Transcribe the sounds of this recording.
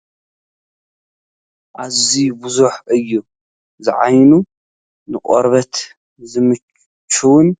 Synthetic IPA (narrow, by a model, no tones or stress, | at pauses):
ʔazibʊzuħʔɨjːu | zɨʕajnu | nɨqʼɔɾβɐt̪ | zɨmɨ | t͡ʃʰːuwn